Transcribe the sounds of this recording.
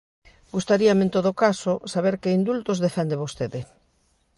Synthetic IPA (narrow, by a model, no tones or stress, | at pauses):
ɡust̪aɾiamẽnt̪oð̞okasosaβeɾkeind̪ult̪ozðefɛnd̪eβost̪eðɪ